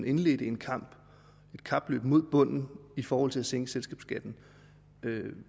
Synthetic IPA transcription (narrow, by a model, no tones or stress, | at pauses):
ne̝nle̝d̥əe̝nkʰɑ̈m̰b̥ | e̝d̥kʰɑ̈b̥lø̰ːb̥mo̝ð̰ˠb̥ɔ̽n̰n̩ifɒːhɒ̽l̰t͡sʰe̝læseŋəselsɡ̥ɛ̰ːb̥sɡ̥æd̥n̩ | ø